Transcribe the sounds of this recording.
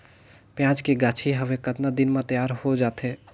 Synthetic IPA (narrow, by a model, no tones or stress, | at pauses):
pjãːt͡ʃkeɡaːt͡ʃʰiɦəʋekət̪nad̪ɪnmãt̪əjaːɾhod͡ʒaːt̪ʰeː